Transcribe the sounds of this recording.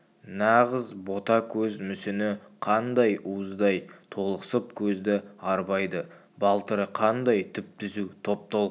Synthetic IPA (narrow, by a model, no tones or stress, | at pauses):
nɑʁəzbo̞t̪ɑkʲʰɵzmʏsɪnɪqʰɑnd̪ɑjʔuəzd̪ɑjt̪ʰo̞lˠə̥səp̚kʲʰɵzd̪ɪɑɾbɑjd̪ə | bɑlˠt̪əɾəqʰɑnd̪ɑjt̪ʰʏp̚t̪ɪzut̪ʰo̞p̚t̪ɑ